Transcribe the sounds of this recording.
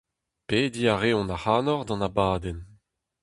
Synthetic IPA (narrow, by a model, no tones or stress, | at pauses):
peːd̪iːaʁeːɔ̃nahaːnɔʁd̪ɑ̃nabaːd̪ɛn